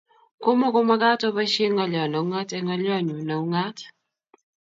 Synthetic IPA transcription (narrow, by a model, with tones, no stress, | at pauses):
ko˦mɔ˦ko˦ma˦ɡa˦tɔ˦ba˦ʃe˦ŋɔ˦ljɔ˨na˨u˦ŋa˦tɛ˦ŋɔ˦ljɔ˦˨ɲu˨na˨u˦ŋa˦t